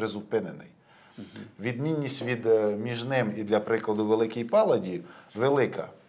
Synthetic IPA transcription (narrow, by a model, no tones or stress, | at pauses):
ɾezʊpɪnenɪ̰j | ʋʲid̪mʲinʲːisʲtʲʋʲid̪mʲiʒnɪmid̪lʲɐpɾɪklˠɐd̪ʊʋelˠɪkijpɑlˠɐdʲiʋelˠɪkʰɐ̰